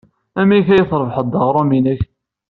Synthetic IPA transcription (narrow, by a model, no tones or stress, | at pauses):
æmiçæjəθɾˤəvħəd̪ˤːɑʁɾˤuminəç